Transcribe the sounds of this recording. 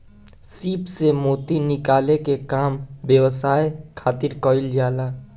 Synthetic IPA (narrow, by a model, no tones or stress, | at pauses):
siːpsemoːt̪inɪkaːlekekaːmbjəwəsaːekʰaːt̪ɪɾkɔɪld͡ʒaːlaː